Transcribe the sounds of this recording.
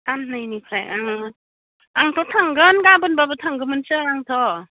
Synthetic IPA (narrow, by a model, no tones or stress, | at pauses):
tʰannɯjnikʰɾajaŋ | aŋtʰɔtʰaŋɡɯnɡabɯnbabɯtʰaŋɡɯmɯnsɯɾaŋtʰɔ